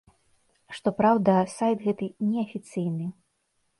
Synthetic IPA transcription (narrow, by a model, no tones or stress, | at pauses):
ʂt̪ɔpɾawd̪ɐsajt̪ɣɛt̪ɨnʲɛɐfʲit̪sɨjnɨ